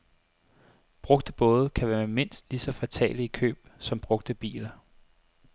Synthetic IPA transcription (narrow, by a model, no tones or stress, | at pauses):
b̥ʁɔ̽ɡ̥d̥əb̥ɔ̽ːð̞̩ˠkʰæʋæːɐme̝n̰sd̥lisɒ̽fæt͡sʰɛ̰ːliikʰø̰ːb̥̚sɒ̽mb̥ʁɔ̽ɡ̥̚d̥əb̥ḭːlɐ